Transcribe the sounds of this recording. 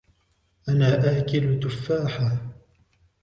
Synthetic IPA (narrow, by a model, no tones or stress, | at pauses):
ʔanaːʔaːkɪlt̪ʊfːaːħa